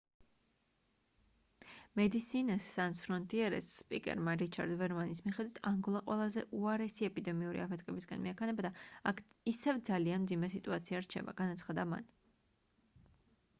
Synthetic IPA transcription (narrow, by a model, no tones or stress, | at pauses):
mɛd̪isinasːansɾɔnt̪ʼiɛɾɛ̰sːpʼikʼɛ̰ɾmaɾit͡ʃʰaɾd̪vɛɾmanismiχɛd̪wit̪ʰaŋɡɔlˠaqʼwɛlˠazɛʔuaɾɛsiɛpʼid̪ɛmiuɾḭapʰɛt̪̚ʰkʰʼɛbisɡa̰nmḭakʰanɛbad̪aakʰisɛvd̪zalianmd̪zimɛsit̪ʼuat̪sʰiaɾt͡ʃʰɛ̰ba̰ɡanat̪sʰχad̪ama̰n